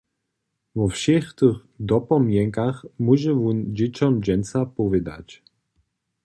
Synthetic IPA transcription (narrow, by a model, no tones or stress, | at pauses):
vɔfʃɛxt̪ɨx | d̪ɔpɔmjɛŋkaxmuʒɛvund͡ʑet͡ɕɔmd͡ʑɛnsapɔvɪd̪a̰t͡ɕ